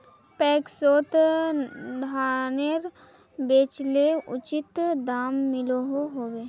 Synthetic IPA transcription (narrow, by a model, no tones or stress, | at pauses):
pɛːksoːt̪ | d̪ʱaːnəɾ | beːt͡ʃleʊ̰t͡ʃɪt̪d̪aːmːɪloɦoɦoːweː